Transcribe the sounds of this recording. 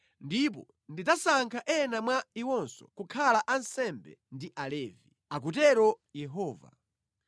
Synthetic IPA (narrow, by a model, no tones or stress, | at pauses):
ndip̬ɔ̰ | ndid͡zasaŋkʰaʔɛnamwaiwɔnsɔ̰kukʰalaʔansɛmbɛ̰ndiʔalɛːvi | ak̬ut̬ɛɾɔ | jɛɦɔːva̰